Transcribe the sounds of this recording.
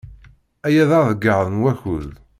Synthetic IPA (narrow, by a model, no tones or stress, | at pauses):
æjæðəðəɡːəðˤənwæçuð